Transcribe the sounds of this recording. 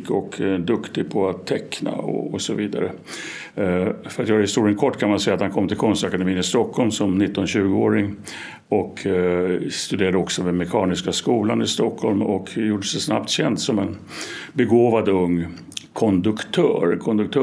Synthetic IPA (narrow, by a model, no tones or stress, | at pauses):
kʰɔkd̪ɵkt̪ɪɡpʰɔat̪ʰːɛkna̰ɔ̰ɔsɔviːd̪a̰ɾə | fœɾat̪jɑhhɪst̪uːɾɪənkʰɔʈːkʰanmansɛjːat̪hankʰɔmːt̪ʰɪlkʰɔnst̪akad̪ɛmiːnɪst̪ɔkʰːɔlmsɔmnɪt̪ːɔnɕʉ̟ːɡəoːɾɪŋ | ɔkʰ | st̪ɵd̪eːɾad̪əɔksɔvɛmɛkʰɑːnɪskaskuːlanɪst̪ɔkʰːɔlmɔkjuːɖːəsd̪ɛsna̰pt̪ɕɛnd̪sɔmɛnbɛɡoːvad̪ɵŋː | kʰɔnd̪ɵkt̪ʰœːɾkʰɔnd̪ɵk̚t̪ʰœ